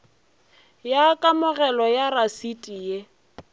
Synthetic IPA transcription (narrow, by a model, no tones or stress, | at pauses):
jakʼamʊɣɛlɔjarasitʼije